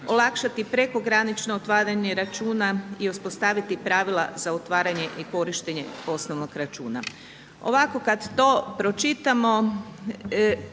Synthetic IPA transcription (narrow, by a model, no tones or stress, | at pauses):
o̞lˠakʃat̪ipɾeko̞ɡɾanit͡ʃno̞ot̪ʋaːɾaɲe̞ɾat͡ʃuːnaiuspo̞st̪aːʋit̪ipɾaʋila̰zaot̪ʋaːɾaɲe̞ʔiko̞ɾiʃt̪eɲe̞̰o̞sno̞ʋnoɡɾat͡ʃuːna | o̞̰ʋako̞kad̪t̪o̞pɾo̞t͡ʃit̪amo̞